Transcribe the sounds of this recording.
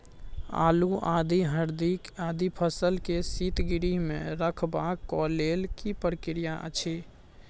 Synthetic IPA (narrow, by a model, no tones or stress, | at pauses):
a̰luʔad̪iɦəɾd̪ikad̪ipʰəsəlkesit̪ɡiɾiɦmḛ̃ɾəkʰbakːɔlelkipɾəkɾijaʔə̰t͡ʃʰi